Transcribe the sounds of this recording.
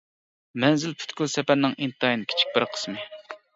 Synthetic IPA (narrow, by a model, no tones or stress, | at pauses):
mɛnzɪlpʰy̥t̪kʲylsɛpæɾnɪŋʔint̪ɑjinkʲʰi̥t͡ʃʰi̥k̚ʲbɪɾqʰə̥smɨ